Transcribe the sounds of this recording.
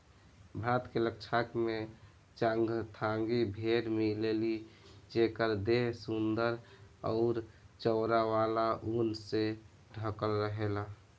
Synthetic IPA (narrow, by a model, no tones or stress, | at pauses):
bʱat̪kelək̚t͡ʃʰakme | t͡ʃãŋɡt̪ʰaŋɡibʱeɽmilelid͡ʒekəɾd̪eɦsund̪əɾɔʊɾt͡ʃəʊɾaʋalaʔunse | ɖʱəkəlɾəɦela